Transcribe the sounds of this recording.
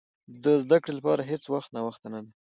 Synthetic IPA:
d̪əzd̪akɽelapɑɾaɦet͡swaxt̪nawaxt̪anad̪e

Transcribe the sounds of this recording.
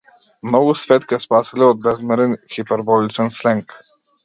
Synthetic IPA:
mnɔɡusfɛt̪kɛspasiliɔd̪̚bɛzmɛɾɛnxipɛɾbɔlʲit͡ʃɛnslɛŋk

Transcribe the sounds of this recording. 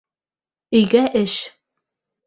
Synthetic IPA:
ɵ̆jɡæʔɘʃ

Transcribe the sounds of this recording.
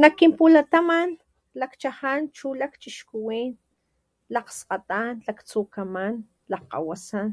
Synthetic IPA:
nakːimpulat̪aman | lakt͡ʃahant͡ʃulakt͡ʃiʃkuwiːn | laqsqat̪anlakt͡sukaman | laqa̰wasan

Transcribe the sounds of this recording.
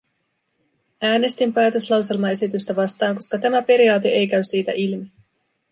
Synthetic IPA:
æːne̞st̪impæːt̪ø̞slɑwse̞lmɑe̞sit̪yst̪æʋɑst̪ɑːŋko̞skɑt̪æmæpe̞ɾiɑːt̪eʔejkæysːiːt̪æ̰ʔilmi

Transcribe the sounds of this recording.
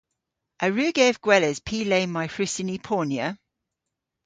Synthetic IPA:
ʔəɹʉːɡɛvɡ̥wɛləz̥pʰiːleɪmaɪfɹɪsɪnipʰɔːnjə

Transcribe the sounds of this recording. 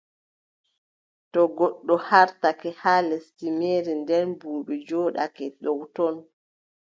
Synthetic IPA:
tɔɡɔɗːɔhaɾtakɛhalɛstimeːɾindɛnbuːɓɛd͡ʒɔːɗa̰kɛɗɔwtɔn

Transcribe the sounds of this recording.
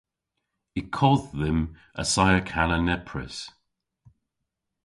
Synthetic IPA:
ikʰɔððəm | ə̰sajəkʰalənɛpʰɹə̰s

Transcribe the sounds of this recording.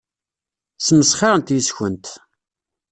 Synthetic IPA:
sməsχɑɾənt̪jisçənt̪

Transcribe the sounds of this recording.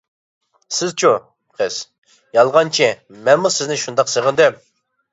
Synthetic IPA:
sɪzt͡ʃʰu | pχʰɨs | jɑlˠʁɑnt͡ʃʰimɛnmusɪznɪʃund̪ɑqseʁənd̪ɛm

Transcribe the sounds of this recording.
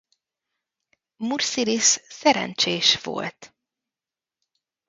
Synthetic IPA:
mursilissɛɾɛ̰nt͡ʃeːʃʋo̞̰lt̪

